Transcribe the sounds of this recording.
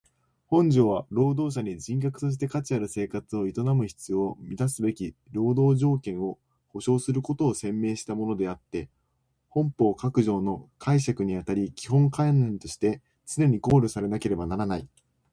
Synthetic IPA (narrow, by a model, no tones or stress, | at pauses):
hõ̞ɲ̟d͡ʑo̞ːβaɾo̞ːd̪o̞ːɕ̬aɲ̟id͡ʑĩŋkakɯ̟̥t̪o̞ɕ̬i̥t̪e̞kat͡ɕiaɾɯ̟se̞ːkat͡sɨo̞it̪o̞namɯ̟çi̥t͡sɨːmʲit̪asɨbe̞kʲiɾo̞ːd̪o̞ːʑo̞ːkẽ̞ɰ̃o̞ | ho̞ɕo̞ːsɨɾɯ̟ko̞t̪o̞ːsẽ̞mːe̞ːɕi̥t̪amo̞no̞d̪e̞at̪ːe̞ | hõ̞mpo̞ːkakɯ̟ʑo̞ːno̞kʰaiɕakɯ̟ɲ̟iat̪aɾʲikʲihɦõ̞ŋkãnːẽ̞nt̪o̞ɕi̥t̪e̞ | t͡sɨne̞ɲ̟iko̞ːɾɯ̟saɾe̞nake̞ɾe̞banaɾanai